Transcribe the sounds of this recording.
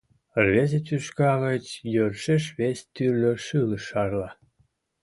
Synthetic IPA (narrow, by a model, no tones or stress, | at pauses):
rβezetyʃkɑɣət͡ɕjørʃeʃβesʲt̪yrlʲøʃɯləʃɑrlɑ